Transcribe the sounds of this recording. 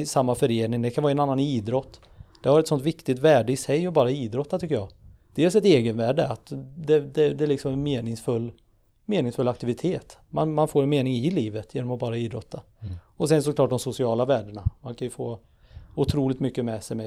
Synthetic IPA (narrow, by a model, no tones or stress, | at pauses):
samːafœɾeːnɪŋd̪ɛkʰanɑːɾaɛnanːaniːd̪ɾɔt̪ː | d̪̥ɛhaɾɛt̪sɔnt̪vɪkt̪ɪt̪væːɖəɪsɛjɔbɑːɾaiːd̪ɾɔt̪ːat̪ʰʏkːəjɑːd̪̥eːlsɛt̪eːɡənvæːɖəat̪d̪ɛd̪ɛd̪ɛæɭɪksɔmɛnmeːnɪŋsfɵlː | meːnɪŋsfɵlːakt̪ɪvɪt̪ʰeːt̪manmanfoːɾnmeːnɪŋɪliːvət̪jeːnɔmɔbɑːɾaiːd̪ɾɔt̪ʰːa | ɔsɛnsɔklɑːʈ̚d̪ɔmsʊsɪɑːlavæːɖəɳamankʰanjɵfoː | ʊt̪ʰɾuːlɪkt̪mʏkːəmɛsɛmɛ